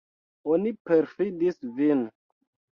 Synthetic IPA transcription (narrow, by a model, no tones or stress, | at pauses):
onipeɾfidisvin